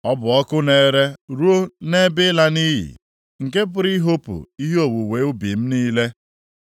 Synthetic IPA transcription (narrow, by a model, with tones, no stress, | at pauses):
ɔ˦bʊ˨ɔ˦kʊ˦ne˨ɾe˦ɾu˦o˦ne˦bɪ˦la˦ni˦ɦḭ˨ | ŋ̩˨ke˦p̬ʊ˨ɾi˦ɦo˦pʊ̰˨i˦ɦe˦o˨wu˨we˨˦ʊ˦bi˨m̩˦niː˦le˦